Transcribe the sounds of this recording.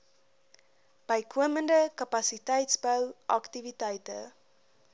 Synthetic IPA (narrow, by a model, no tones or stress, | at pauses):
b̥əjkʰuəməndəkɐpɐsitɛjtsbəwʔɐktivitɛjtə̰